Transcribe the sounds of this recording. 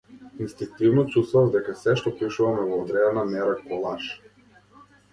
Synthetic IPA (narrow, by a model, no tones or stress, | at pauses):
inst̪iŋk̚t̪ivnɔt͡ʃust̪vavd̪ɛkasɛʃt̪ɔpiʃuvamɛvɔːd̪ɾɛnamɛɾakɔlˠaʃ